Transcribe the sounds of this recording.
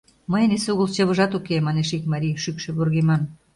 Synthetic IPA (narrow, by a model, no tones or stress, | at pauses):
məjəneseuɣəlt͡ɕɤβə̆ʒɑt̪ukemɑneʃikmɑɾiʃykʃĕβorɣemɑn